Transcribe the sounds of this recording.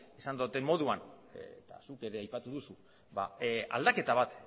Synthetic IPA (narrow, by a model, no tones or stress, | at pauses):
esand̪ot̪e̞mmo̞ð̞uant̪a̰suke̞ɾe̞ajpat̪uðusu | ba̰a̰ld̪ake̞t̪aβ̞at̪